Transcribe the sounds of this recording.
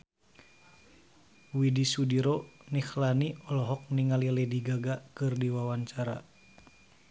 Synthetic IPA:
widisudiɾɔnixlaniɔlɔɦɔk̚niŋalialɛdiɡaɡakɨrdiwawaɲt͡ʃaɾa̰

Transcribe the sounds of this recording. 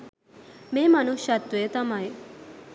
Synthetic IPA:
meːmɐnuʃɐt̪ːueːt̪ɐmaj

